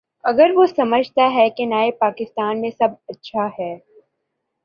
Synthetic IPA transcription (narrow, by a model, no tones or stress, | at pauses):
ɐɡəɾʋosɐməd͡ʒʱt̪aɦɛkenaːepaːkɪst̪aːnmẽsɐbɐtːʃʰahɛː